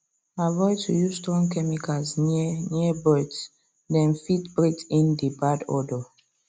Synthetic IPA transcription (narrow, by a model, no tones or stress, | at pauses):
avɔjtʰujuzstɹɔ̃ŋkɛmikaznniəbɔds | dɛ̃nfitbɹetĩndibadɔ̰dɔ